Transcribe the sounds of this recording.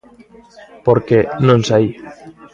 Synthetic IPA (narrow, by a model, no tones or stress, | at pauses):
poɾkenõnsai